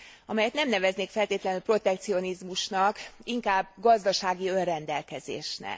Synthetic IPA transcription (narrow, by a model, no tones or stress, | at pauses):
ɒmɛjɛt̪nɛmnɛvɛzneːkfɛlt̪eːt̪lɛnylpro̞t̪ɛkt̪sio̞nizmuʃnɒkiŋkaːbɡɒzd̪ɒʃaːɡiø̞nrɛnd̪ɛlkɛzḛːʃnɛ̰